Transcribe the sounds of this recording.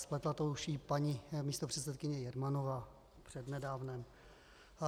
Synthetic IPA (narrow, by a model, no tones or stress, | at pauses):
splɛt̪lat̪owʃiːpaɲimiːst̪opr̝̥ɛt̪sɛt̪kɪɲɛjɛɾmanovaː | pr̝̥ɛdnɛdaːvnɛm